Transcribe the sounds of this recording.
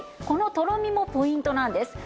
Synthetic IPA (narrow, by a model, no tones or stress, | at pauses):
kono̞t̪o̞ɾomʲimo̞po̞ĩnt̪o̞nãnd̪e̞sɨ̥